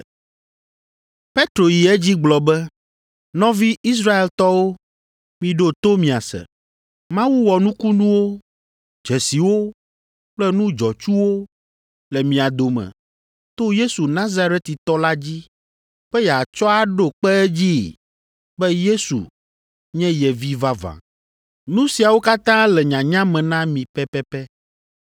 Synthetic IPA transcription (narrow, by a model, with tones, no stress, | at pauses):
pe˦t̪ɾo˨ji˨ɛ˦d͡ʑi˦ɡ͡blɔ˨bɛ˦ | nɔ̃˦vi˦i˦s̬ɾa˦e˨lt̪ɔ˦wo˦ | mĩ˨ɖo˦t̪o˦mĩ˨a˨sɛ̰˨ | mã˦wu˦wɔ˨nũ˦ku˦nũ˦wo˦ | d͡ʒɛ˨si˨wo˦ | k͡plɛ˦nũ˦d͡ʒɔ˨t͡ʃu˦wo˦ | lɛ˨mĩ˨a˨d̪o˨mɛ̰̃˨ | t̪o˦je˦su˨nã˦za˦ɾɛ˦t̪i˨t̪ɔ˦la˦d͡ʑi˦ | ɸɛ˦jɛ˨a˨t͡ʃɔ˦a˨ɖo˨k͡pɛ˦ɛ˦d͡ʑi˦ | bɛ˦je˦sṵ˨ | ɲɛ̃˦jɛ˨vi˦va˦vã̰˨ | nũ˦si˨a˨wo˦ka˦t̪ã˦lɛ˨ɲã˨ɲã˦mɛ̃˨nã˦mĩ˨pɛ˦pɛ˦pɛ˦